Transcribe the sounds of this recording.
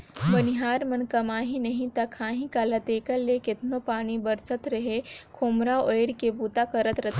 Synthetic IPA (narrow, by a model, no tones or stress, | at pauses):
bɐnɪɦaːɾmɐnkɐmaːɦĩnɐɦĩt̪ɐkʰãːɦĩkalɐt̪eːkəɾːekɪt̪nopaːñibɐɾsət̪ɾɐɦekʰoːmɾaeɪɽkebuːt̪akɐɾət̪ɾɐt̪ʰ